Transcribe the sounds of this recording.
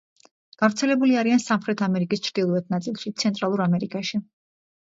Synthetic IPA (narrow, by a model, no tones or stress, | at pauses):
ɡ̥avɾt̪sʰɛlɛbuliaɾiansamχɾɛt̪ʰamɛɾikʼist͡ʃʰɾd̪ilˠɔɛt̪̚ʰnat̪sʼilˠʃit̪sʰɛnt̪ʼɾalˠuɾamɛɾikʼaʃi